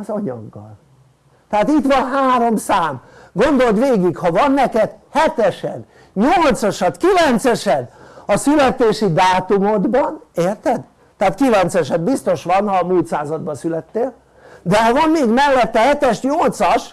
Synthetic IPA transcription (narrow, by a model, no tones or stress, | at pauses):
ɒzɒɲɒ̰ɡːɒ̰l | t̪ɛat̪it̪ʋɒnɦaːɾo̞msaːmɡo̞nd̪o̞lt̪ʋeːɡikhɒvɒnːɛkɛd̪hɛt̪ɛʃɛn | ɲolt̪sɒʃɒt̪kilɛnt̪sɛʃɛd̪ɒsylɛt̪eːʃid̪aːt̪umo̞d̪bɒneːrt̪ɛd̪ː | ɛat̪kilɛnt̪sɛʃɛd̪bist̪o̞ʃʋɒnhɒmuːlt̪saːzɒd̪bɒsylɛt̪ːeːl | d̪ɛvɒnːeːɡmɛlːɛt̪ːɛhɛt̪ɛʃɲolt̪sɒʃ